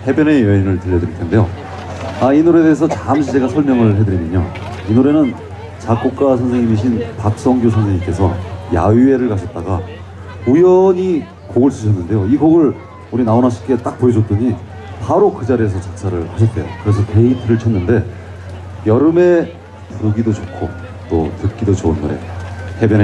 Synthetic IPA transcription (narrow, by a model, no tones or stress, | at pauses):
he̞bjʌne̞jʌinɯɭtɯʎːʌdɯɾiɭtʰende̞jo | ainuɾe̞de̞es̬ʰʌt͡ɕamɕʰid͡ʑeɡasʰʌɭmjʌŋɯɭɦe̞dɯɾinɯɲo̰ | inuɾe̞nɯn | t͡ɕak͈ok̚k͈asʰʌnsʰeŋimiɕ̬ʰinpak̚s͈ʌŋɡjosʰʌnsʰeŋimk͈e̞sʰʌja̰ie̞ɾɯɭkaɕʰʌt̚t͈aɡa | ujʌɲi | koɡɯɭsɯɕʰʌnːɯnde̞joiɡoɡɯɭ | uɾinaonaɕʰi̥k͈e̞t͈ak̚p͈oed͡ʑot̚t͈ɯɲi | paɾokɯd͡ʑaɾiesʰʌt͡ɕak̚s͈ʰaɾɯɭhaɕʰʌt̚t͈e̞̰jo̰kɯɾe̞s̬ʰʌteitʰɯɾɯɭt͡ɕʰʌnːɯnde̞ | jʌɾɯme̞ | puɡidot͡ɕokʰːo̰ | t͈otɯt̚k͈idot͡ɕoɯnːoɾe̞̰te̞bjʌne